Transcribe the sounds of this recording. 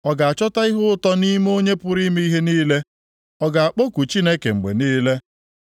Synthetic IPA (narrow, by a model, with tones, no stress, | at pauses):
ɔ˨ɡa˨a˨t͡ʃɔ˦ta˦i˦ɦʊ˦ʊ˦tɔ˦ni˦m˦o˦ɲe˦pʊ˦ɾi˦me˦i˦ɦe˦niː˦le˦ | ɔ˦ɡa˨a˨k͡po˦ku˨t͡ʃi˦ne˦ke˨ŋ͡m̩˨ɡ͡bḛ˨niː˦le˦